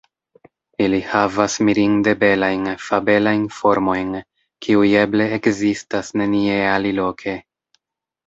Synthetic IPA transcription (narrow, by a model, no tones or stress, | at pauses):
ilihavasmiɾiŋde̞be̞lajnfabe̞lajnfo̞ɾmo̞jn | kʰiuje̞ble̞ːkzistasne̞nie̞alilo̞kʰe̞